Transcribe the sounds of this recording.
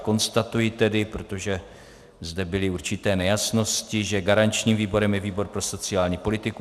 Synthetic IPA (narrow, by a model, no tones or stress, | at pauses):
ko̞nst̪at̪ujɪt̪ɛdɪpɾo̞t̪o̞ʒɛ | zdɛbɪlɪuɾt͡ʃɪt̪ɛːnɛjasno̞scɪʒɛɡaɾant͡ʃɲiːmviːbo̞ɾɛmjɛviːbo̞ɾpɾo̞so̞t͡sɪaːlɲiːpo̞lɪt̪ɪku